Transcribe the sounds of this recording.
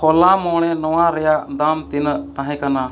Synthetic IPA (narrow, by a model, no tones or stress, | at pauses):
ɔlamɔɽ̃ɛnɔwaɾɛjaʔd̪amt̪inəʔt̪ãɦɛ̃kana